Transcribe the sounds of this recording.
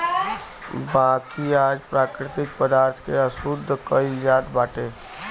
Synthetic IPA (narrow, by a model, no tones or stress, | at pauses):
baːkiaːd͡ʒpɾaːkɾɪt̪ɪk̚pəd̪aːɾt̪ʰkeəsʊd̪ʱːkəijaːd̪baːʈeː